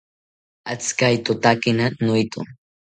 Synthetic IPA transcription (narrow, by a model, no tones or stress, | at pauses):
at͡skajt̪ʊt̪akɪnanʊjt̪ʊ̰ŋ